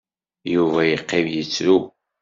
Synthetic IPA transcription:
juvæjəqːɪvjət͡sːɾu

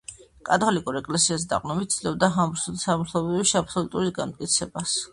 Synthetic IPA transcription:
kʼat̪ʼɔlikʼuɾɛkʼlɛsias̬d̪a̰qʼnɔmit̪sd̪lɛbd̪aɦamɾsusamuɾt̪ʰɔbɾipʃiapsɔlut̪ʼuɾisɡamt̪̚ʼkʼit̪sʰɛbas

